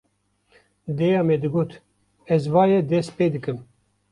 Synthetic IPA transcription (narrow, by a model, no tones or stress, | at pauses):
d̪ejɑːmed̪ɨɡoːt̪ | ɛzvɑːjɛd̪ɛspeːd̪ɨkɨm